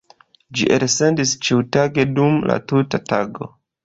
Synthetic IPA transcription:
d͡ʒiʔeɾse̞ndist͡ʃiwtaɡe̞dumla̰tutataɡo̞̰

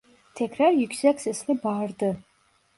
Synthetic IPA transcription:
tʰekʰʲrarjʏkʲʰsakʲsɛsnɨbaːrdɨ

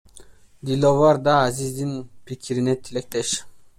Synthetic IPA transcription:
d̪ilʲovɑɾd̪ɑːzizd̪inpʰikʲʰiɾinɛt̪ʰilek̚t̪eʃ

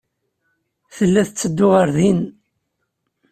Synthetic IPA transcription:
θəlːæθət͡sːəd̪ːʊʁəɾðin

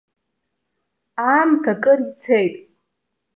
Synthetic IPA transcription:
amtʰakʼɨrt͡sʰejtʼ

